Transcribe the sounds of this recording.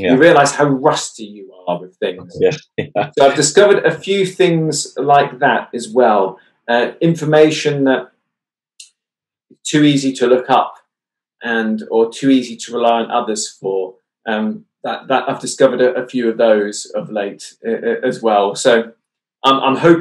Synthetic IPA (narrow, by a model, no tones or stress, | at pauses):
iɹiəlaɪz̥haʊɹʌstijəəwɪð̥θɪ̃ŋz̥ | soʊaɪvdɪskʌvəɾəfjʉːθɪ̃ŋzlaɪk̚ðətɨzwɛlˠ | ʌɪ̃ɱfəmeɪʃə̃nðət̚ | ɪz̥tʰʉiːzitʰəlʊkʌp | ʔə̃nətʰʉiːzitʰəɹɪlaɪə̃nʌ̰ðəz̥fə˞ | ʔʌ̃m | ðəʔðəta̰ɪvdɨskʌvəɾɨʔəfjʉʌvðoʊz̥əvleɪtʌʔʔəzwɛlˠsoʊ | ʔʌ̃ɪ̃mʔã̰ɪ̃mɦoʊp